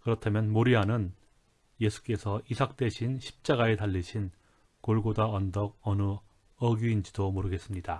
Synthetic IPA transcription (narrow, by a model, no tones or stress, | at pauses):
kɯɾʌtʰamjʌnmoɾiɦanɯn | je̞sʰu̥k͈e̞sʰʌʔisʰak̚t͈e̞ɕʰinɕʰi̥p̚t͡ɕ͈aɡae̞taʎːiɕʰin | koɭɡodaʌndʌɡ̚ʌnɯ | ʌɡjuind͡ʑidomoɾɯɡe̞s͈ɯmɲida